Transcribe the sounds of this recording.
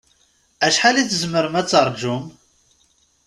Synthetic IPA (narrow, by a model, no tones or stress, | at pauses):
æʃħalit͡sːəzməɾəmæt͡sːəɾˤd͡ʒum